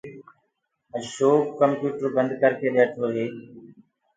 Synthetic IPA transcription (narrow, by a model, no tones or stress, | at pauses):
əʃoːkkəmpjuːʈəɾbənd̪kəɾkʰeːɗeːʈʰoːɦeː